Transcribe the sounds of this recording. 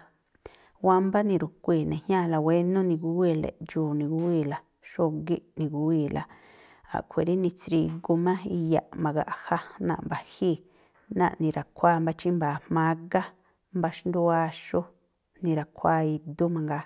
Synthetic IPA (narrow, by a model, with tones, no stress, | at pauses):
wa˧mba˦nĩ˧ɾu˨kʷi˧˨nẽ˨hɲã˦˨la˨we˦nũ˦nĩ˧ɡu˧˦wi˧˨lḛ˨ʔd͡ʒuː˨nĩ˧ɡu˦i˦˧˨la˨ | ʃo˦ɡi˦ʔnĩ˧ɡu˧˦wi˧˨lʔa̰˨ | a̰˨kʷʰe˨ɾi˦nĩ˧t͡sɾi˧ɡu˧mã˦i˧ja̰˧ʔmã˨˧ɣa̰˧ʔha˦nã˧˨mba˨hi˦˧˨ | nã̰˧ʔnĩ˧ɾa˨kʰʷaː˦˧˨mba˦t͡ʃi˦mbaː˨mmã˧˦ɡa˦ | mba˧ʃnd̪u˦a˧ʃo˦ | nĩ˧ɾa˨kʷʰa˦˨i˧d̪u˦mã˧ŋɡa˧